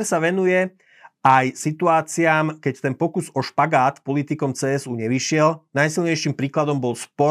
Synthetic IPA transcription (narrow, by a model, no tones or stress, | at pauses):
ɾsaʋɛnujɛ | ʔajsit̪uaːt͡siaːmkɛct̪ɛnpɔkuzɔʃpaɡaːt̪pɔlit̪ikɔmt͡sɛːɛzuːɲɛʋiʃɪɛlnajsilɲɛjʃimpɾiːklad̪ɔmbɔlspɔ